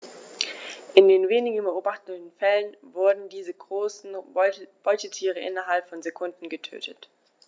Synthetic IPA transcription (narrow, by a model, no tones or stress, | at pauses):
ʔɪndeːnveːnɪɡn̩bəʔoːbaχtənn̩fɛlənvʊɐdn̩diːzəɡʁoːsn̩b̥ɔʏtətʰiːʁ̞əʔɪ̰nɐɦalpfɔnzekʰʊndn̩ɡətʰø̰ːtʰət